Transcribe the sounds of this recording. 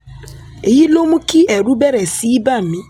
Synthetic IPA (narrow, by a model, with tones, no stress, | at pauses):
e˨ji˦lo˦mũ˦ki˦ʔɛ˨ɾu˦bɛ˦ɾɛ˨si˦ba˦m̩˨mĩ˦